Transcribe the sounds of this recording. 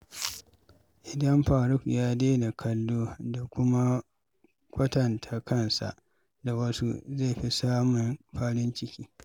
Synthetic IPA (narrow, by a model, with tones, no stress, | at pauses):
ʔɪ˨dɐ˦mɸaː˨ɽʊ˦kjaː˦deː˦da˨kʰɐ˦˨lːoː˦da˨kʷʊ˦ma˦ | kʷʰʼɐ˦tɐ˨ntʰa˨kʰɐ˦˨nsa̰˨ʔ | da˨wɐ˦su˦ze˦˨ɸi˦saː˦mʊ˨nɸaː˦ɽɪ˦nt͡ʃɪ˦kʲiː˦